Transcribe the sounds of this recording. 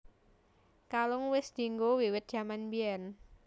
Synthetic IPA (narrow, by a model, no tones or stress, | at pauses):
kalʊŋwɪsd̪̥i̤ŋɡowiwɪt̪̚d̥ʒ̥a̤manbiɛn